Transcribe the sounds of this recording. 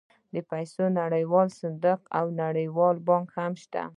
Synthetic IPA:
d̪əpajsonaɽəjwɑlsɪnd̪əqawnaɽəjwɑlbɑŋkhamʃt̪a̰

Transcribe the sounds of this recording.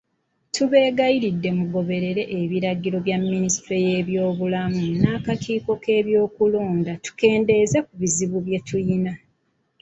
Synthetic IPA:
tuβe̞ːɡaiɾidːe̞muɡo̞βe̞ɾe̞ɾe̞ʔeβiɾaɡiɾo̞βjamːinistɾeje̞ːβjo̞ːβulamunaːkakʰiːko̞ke̞ːβjo̞ːkulo̞ːndatu̥ke̞ːnde̞zekuβiziβuβje̞tujina

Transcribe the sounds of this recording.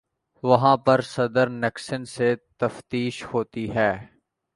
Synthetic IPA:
ʋɐɦãːpɐɾsɐd̪əɾnɪksənset̪ɐft̪iːʃhoːt̪iɦɛː

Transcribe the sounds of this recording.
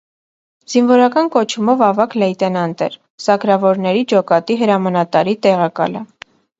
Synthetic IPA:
z̥invɔɾɑkɑnkɔt͡ʃʰumɔvɑvɑklɛjt̪ɛnɑnt̪ɛ̰ɾ | sɑkɾɑvɔɾnɛɾid͡ʒɔkɑt̪iɦəɾɑmɑnɑt̪ɑɾit̪ɛʁɑkɑ̰lə

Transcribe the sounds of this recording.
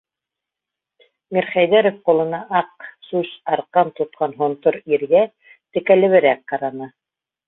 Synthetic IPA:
miɾχæjðæɾŏfqulˠɤ̆nɑʔɑqsʉsɑɾqɑnt̪ŏt̪̚qɑnɦŏnt̪oɾiɾɡæ | t̪ɘ̆kælɘ̆βɘ̆ɾæk̚qɑɾɑnɤ

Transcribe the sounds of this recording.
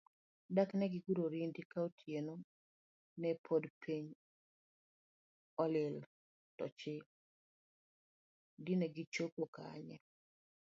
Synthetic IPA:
daknɛɡɪɡuɾoɾindɪkaotʰjeno | nɛpʰodpʰiɲ | ɔlɪl | tɔ̰t͡ʃɪ | dɪnɛɡɪt͡ʃokoka̰ɲɛ̰

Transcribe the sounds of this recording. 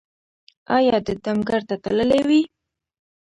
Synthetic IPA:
ɑjɑd̪əd̪amɡaɾt̪at̪aləlewi

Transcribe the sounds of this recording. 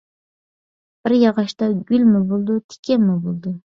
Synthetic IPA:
b̥ɪɾjɑʁɑʃt̪ɑɡʲylʲmɪbolˠd̪ʊt̪ʰɪ̥kʲʰɛmɪbolˠd̪ʊ

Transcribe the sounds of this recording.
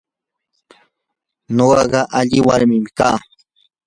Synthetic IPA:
ɲoɢɑɢɑʔaʎɪwaɾmɪmɪkaː

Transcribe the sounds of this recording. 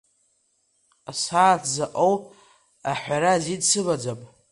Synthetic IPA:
asaːtʰzaʔʼowpʼ | aħʷᶣaɾazidsɨbad͡zapʼ

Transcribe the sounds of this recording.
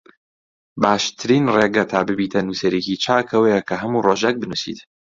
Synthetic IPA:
baːʃt̪ʰɨɾiːnreːɡɐt̪ʰaːbɨbiːt̪ʰɐnusɐɾecit͡ʃʰaːkʰɐwɐjɛkʰɐɦɐmuroʒɐk̚bɨnusḭt̪

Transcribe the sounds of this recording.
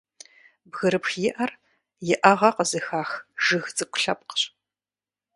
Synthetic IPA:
bɣɨɾɨpxjɪʔɐr | jɪʔɐʁɐqəzɨxaːxʒɨɣt͡sʼɨkʷʊ̥ɬɐp̚qɕʼ

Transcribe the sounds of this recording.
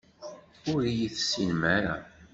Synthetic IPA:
ʊɾijiθsːinmaɾa̰

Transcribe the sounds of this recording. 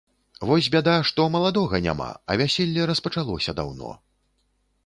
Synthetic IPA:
vɔzʲbʲad̪ajʂt̪ɔmɐlˠad̪ɔɣɐnʲa̰ma̰ɐ̰vʲasʲɛlʲːɛɾɐspɐt͡ʂalˠɔsʲɐd̪a̰wnɔ̰

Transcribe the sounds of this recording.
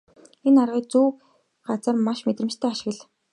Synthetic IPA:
enarʁiːk̚t͡suː | ɢat͡sə̆rmaʃmet̪rɘ̆mt͡ɕt̪ʰæːaʃɪ̆ɣə̆ɮ

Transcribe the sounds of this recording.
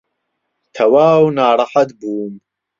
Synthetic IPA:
t̪ʰɐwaːwnaːɾˤɑħat̪buːm

